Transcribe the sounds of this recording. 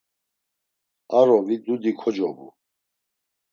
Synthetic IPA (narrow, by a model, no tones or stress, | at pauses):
aɾɔvid̪ud̪ikʰɔd͡ʒɔbṵ